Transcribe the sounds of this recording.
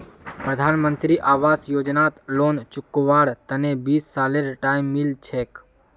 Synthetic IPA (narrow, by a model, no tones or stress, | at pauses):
pɾəd̪ʱaːnmə̃nt̪ɾiʔaːʋaːsjoːd͡ʒnaːt̪loːnt͡ʃʊkːʋaːɽt̪ənebiːsːaːleɾʈaːimːɪlt͡ʃʰeːk